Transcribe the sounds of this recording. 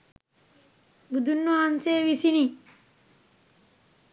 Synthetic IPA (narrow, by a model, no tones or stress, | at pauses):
bud̪ʱunːoanseːʋisini